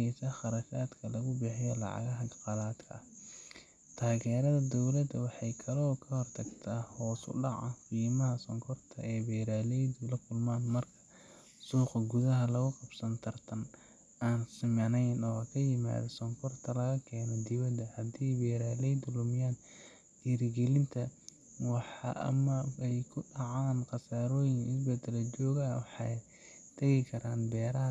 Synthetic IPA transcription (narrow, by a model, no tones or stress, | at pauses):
ɛsɐχɑɾɐfaːd̪kʰɐlɐɣʊbɛħɪjɔlɑ̰ʕɑ̰ɣɐɦɐɡɑqɑlaːd̪kʰɐ̰ | t̪ʰaːɣɛːɾɐðɐd̪ɔwlɐd̪ɐwɑħɑjkʰɐlɔːkʰɐhɔrt̪ʰɐɡt̪ʰaːhɔːsʊ̰ɖɑʕɐfiːmɐɦɐsɔŋkʰɔrt̪ʰɐ̰ɛːbɛːɾaːlɛjd̪ʊlɐkʰʊlmaːnmɐrkʰɐ̥ | suːqɐɡʊðɐɦɐlɐɣʊqɑbsɐnt̪ʰɐrt̪ʰɐn | aːnsɪmɐnɛjnɔːkʰɐjɪma̰ːðɐsɔŋkʰɔrt̪ʰɐlɐɣɐkʰɛːnɔd̪ɪwɐd̪ɐhɐd̪iːjbɛːɾaːlɛjd̪ʊlʊmɪjaːn | d̪iːɾɪɡɛlɪnt̪ʰɐ | wɑħɑ̰ʔɐ̰mɐɛjkʰʊɖɑʕɑːnqɑsaːɾɔːjɪŋɪsbɛd̪ɛlɐt͡ʃɔːɣaːwɑħɑ | t̪ʰɐɣɪkʰɐɾaːnbɛːɾɐɦɐ